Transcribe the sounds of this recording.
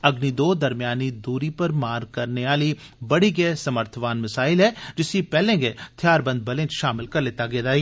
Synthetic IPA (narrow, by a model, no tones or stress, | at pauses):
ɐɡnid̪oːd̪ɐɾmjaːnid̪uːɾipɐɾmaːɾkɐɾneaːli | bɐɽiɡɛːsɐməɾt̪ʰəʋaːnmɐsaːɪlɦɛd͡ʒɪsipɛːlẽɡet̪ʰjaːɾbɐ̃nd̪̚bɐlẽːt͡ʃʃaːmɪlkɐɾleːt̪aɡeːd̪aːi